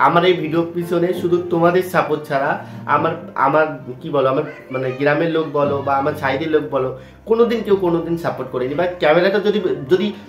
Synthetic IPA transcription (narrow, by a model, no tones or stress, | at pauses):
amaɾejbʱiɖiopisʰoneʃud̪ʱut̪omad̪eɾsapoʈ̚t͡ʃʰaɾaa̰maɾa̰maɾkibɔloamaɾ | maneɡɾameɾlok̚bɔlobaamaɾsaɦid̪eɾlok̚bɔlo | konod̪inkewkonod̪insapoʈkoɾenibakɛmeɾaʈad͡ʒod̪id͡ʒod̪i